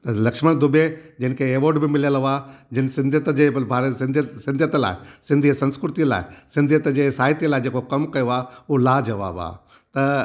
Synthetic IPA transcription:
t̪ɐlɐkʃməɽd̪ʊbed͡ʑɐɪnkʰeeːʋoːɾɖbɪmɪljəlaːd͡ʑɪnsɪ̃nd̪ʱjət̪d͡ʑeːbʱaːɾəsɪ̃nd̪əsɪ̃nd̪ʱjət̪la̰ːɪsɪ̃nd̪ʱisɐ̃nskɾʊt̪iəla̰ːɪsɪ̃nd̪ʱjət̪d͡ʑeːsaːɦɪt̪ijəlaːɪd͡ʑeːkokɐmkɐjoaːɦolaːd͡ʑɐʋa̰ːba̰ː | t̪ɐ

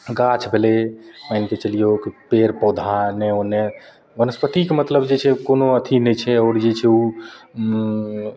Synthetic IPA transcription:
ɡat͡ʃʰbʱelemajnket͡ʃəlijokipeɾpɔd̪ʱaneone | bənəspət̪ikemət̪ləbd͡ʒet͡ʃʰɛkonoət̪ʰinɛt͡ʃʰɛɔːɾd͡ʒet͡ʃʰɛu

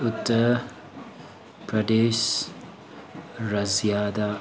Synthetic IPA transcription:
ʊt̪ʼːɐ | pɾɐd̪eːʃ | ɾɐzjaːd̪a

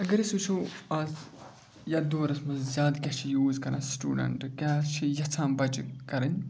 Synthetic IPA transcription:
ɐɡɐɾisut͡ʃʰoɐz | jɐd̪oːɾɐsmɐzzʲjaːd̪kʲɐt͡ʃʰijuːzkɐɾa̰sʈṵːɖɐ̰ɳʈkʲat͡ʃʰijɐt͡sʰãːmbɐd͡ʒkɐɾɐn

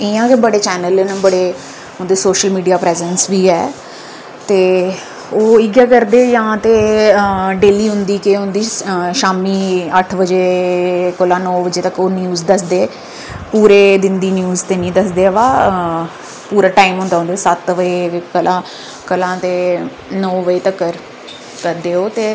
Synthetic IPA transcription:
ɪãːkebəɽeːt͡ʃɛːnəlenːbəɽeː | ɦʊnd̪eːsoːʃəlmiːɖijaːpɾɛːzɛːnsʋiːɛː | t̪eː | oːɪɡjaːkəɾd̪eːjãːt̪eː | ɖeːliːɦʊ̃nd̪iːkeɦʊ̃nd̪iːʃaːmiːəʈʰʋəd͡ʒeːkolãːnɔːʋəd͡ʒeːt̪əkoːnjuːzd̪əsd̪eː | puːɾeːd̪ɪnd̪iːnjuːzt̪eːnĩːd̪əsd̪eːʋaː | puːɾaːʈaːimɦʊ̃nd̪aːɦʊnd̪eːsət̪ʋəeːkəlʔãː | kəlãːt̪eː | nɔːʋəeːt̪əkːəɾ | kəɾd̪eːoːt̪eː

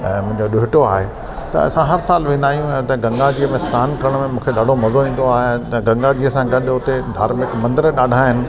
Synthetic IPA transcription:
ɛ̃ːmʊ̃ɦɪ̃ɲd͡ʑoɗʊɦɪʈoaːɦe | t̪ɐ̰ɐ̰sãɦɐɾsaːlʋẽːnd̪aːjũɛ̃t̪ɐɡɐ̃ŋɡad͡ʑiːəmẽskaːnkɐɾəɽ̃mẽmũːkʰeɗaːɖʱomɐzoĩːn̆d̪oaːɦet̪ɐɡɐ̃ŋɡad͡ʑiːəsãɡɐɗʊt̪ed̪ʱaːɾmɪkmɐ̃nd̪ɪɾɗaːɖʱaːɦɪnɪ̆

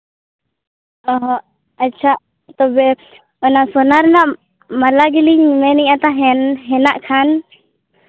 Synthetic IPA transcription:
ɔɦɔ̃ | ətːt͡ʃʰa | t̪ɔbɛ | ɔnasɔnaɾnaʔ | malaɡiliɲmɛniɲat̪aɦɛnɦɛnaʔkʰan

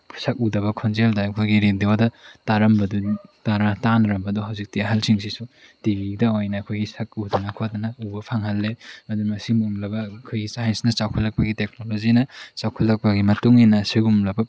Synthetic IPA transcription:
sɐk̚udɐβɐkʰonzeldɐɐkʰojɡiɾendiodɐtaɾɐmbɐdutaɾatanɐɾɐmbɐduɦawzik̚tiɐɦɐlsʰiŋsisu | tibidɐojnɐːkʰojɡisɐk̚udɐnɐkʰot̚dɐnɐubɐpʰaŋhɐlːeɐdumɐsimuumlɐbɐkʰojɡisajensnɐsawkʰɐlːɐk̚pɐɡitek̚nolod͡ʒinɐt͡ʃawkʰɐlːɐk̚pɐɡimɐtuŋinɐsiɡumlɐbɐ

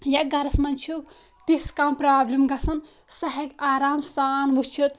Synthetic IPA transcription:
jɐɡɐɾɐsmɐnt͡ʃʰuk̚ | t̪iskampɾaːblimɡɐsɐn | sɐɦɐɡaːɾaːmsaːnʋut͡ʃʰut̪

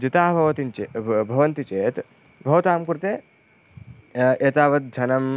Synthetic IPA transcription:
d͡ʒit̪aːbʱɐʋɐt̪int͡ʃebʱɐʋɐnt̪it͡ʃeːt̪ | bʱɐʋɐt̪aːmkuɾt̪eː | et̪aːʋɐt̪̚d͡ʒʱɐnɐm

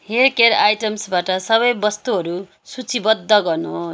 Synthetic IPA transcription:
herkerajʈʌmsbaʈʌsʌβʌjbʌst̪uɦʌɾu | sut͡sibʌd̪ʱːʌɡʌrnoɦo

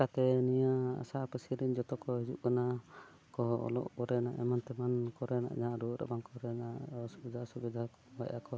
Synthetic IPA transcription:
kat̪ɛnijaa̰saʔpəsiɾiɲd͡ʒɔt̪ɔkɔɦid͡ʒuʔ̚kana | kɔɔ̰lɔ̰ʔbɔɾɛna̰ʔɛmant̪ɛmankɔɾɛna̰ʔd͡ʒaʔɾuɾa̰bankɔɾɛnaʔsubid̪ʱasubid̪ʱa | ba̰jʔakɔ

